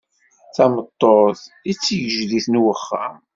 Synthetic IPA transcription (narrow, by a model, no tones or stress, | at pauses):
θæmət̪ˤːoð | it͡sːjəʒðiθnwəχːa